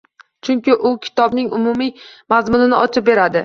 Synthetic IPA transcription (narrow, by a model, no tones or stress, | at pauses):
t͡ʃʰʊŋkʲɪʔʊkʲʰɪ̥t̪ʰɒbnɪŋʊmʊmimazmʊnɪnɪʔɒt͡ʃʰɪp̚be̞ɾad̪ɪ